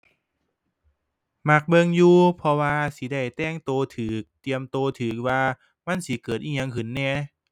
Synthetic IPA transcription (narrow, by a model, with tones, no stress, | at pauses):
ma˧˩k̚bɤ˧ŋjuː˧pʰɔ˧waː˧si˧˦da˧˩jt̪ɛː˧˩ŋt̪oː˧t̪ʰɯː˨˩k̚t̪i˧əmt̪oː˧t̪ʰɯː˨˩k̚waː˧ | ma˧˥˨nsi˨˦kɤː˨˩t̪̚ʔiː˧˩ɲa˧ŋkʰɯ˨˦nːɛː˧˩